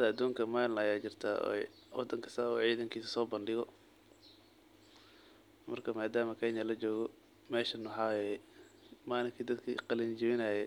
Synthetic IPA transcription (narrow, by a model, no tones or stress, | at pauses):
ɐd̪ɐɐd̪uːŋkʰɐmaːnlɐjaːt͡ʃɪrt̪ʰa̰ː | wɑ̰d̪ɐŋkʰɐ̥saːɔ̰ːʕiːðɐŋkʰiːsɐsɔːbɐnɖɪɣɔ | mɐrkʰɐmaːd̪aːmɐkʰɛnjɐlɐt͡ʃɔːɣɔ | mɛːʃɐnwħɑːwjɛ | maːlɪŋkʰiːd̪ɐd̪kʰḭqɑlɪnd͡ʒɪwɪnɐːjɛ